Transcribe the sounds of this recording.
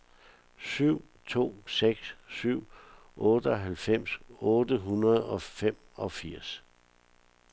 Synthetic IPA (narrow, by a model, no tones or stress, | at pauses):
syʊ̰ | t͡sʰo̝̰ːseɡ̥sːyʊ̰ | ʔɔːd̥əɒɦælfem̰sɔ̽ːd̥əɦunɐð̞̩ˠɒ̽fem̰ | ɒ̽fiɐ̰s